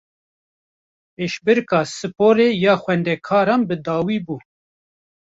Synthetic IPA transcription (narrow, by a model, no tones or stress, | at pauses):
peːʃbɨɾkɑːsɨpoːɾeːjɑːxʷɛnd̪ɛkʰɑːɾɑːnbɨd̪ɑːwiːbuː